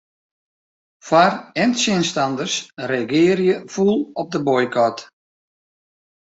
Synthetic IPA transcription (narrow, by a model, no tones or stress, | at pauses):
farɛntsɪnstɑndərsreɡɪːrjəfulˠɔp̚dəbɔjkʰɔt